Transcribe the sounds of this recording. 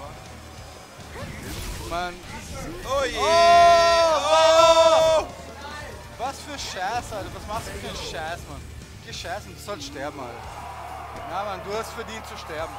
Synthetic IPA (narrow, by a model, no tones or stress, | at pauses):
man | oje | o | vasfyːɐʃɛːsadvasmaχstd̥uːfyːɐʃɛːsman | keʃɛsndusɔlstʃtɛɐbm̩a̰lə | jamanduːhastfɛɐdiːntt͡suʃtɛɐbm̩